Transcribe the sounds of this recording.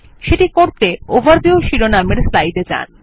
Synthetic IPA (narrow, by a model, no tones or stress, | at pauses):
ʃeʈikoɾt̪eobaɾd̪ioʃiɾonameɾslajɖed͡ʑa̰n